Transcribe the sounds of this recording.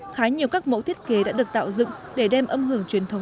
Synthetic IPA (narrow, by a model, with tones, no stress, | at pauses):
xaː˨˦ɲi˨˩əwkaː˦˥k̚mo̰˧˥t̪ʰi˦˥ət̚ke˨˦ɗa̰ː˧˥ɗɨ˨˩ək̚t̪a̰ː˧˨wzɨ̰˧˨ŋ | ɗe˧˩ɗɛ˧mʔə˧mɦɨ˧˩əŋt͡ɕwi˨˩ənt̪ʰə˨˦wŋ͡m